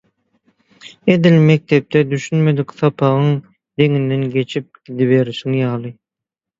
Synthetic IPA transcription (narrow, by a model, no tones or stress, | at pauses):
ed̪ilmek̚t̪ep̚t̪ʰɛd̪yʃynmed̪ɪkʲsɑpʰɑʁɯŋ | d̪eŋind̪enɡʲe̞t͡ʃʰip̚ɡ̥ʲid̪iβeɾsiŋjɑlˠɯ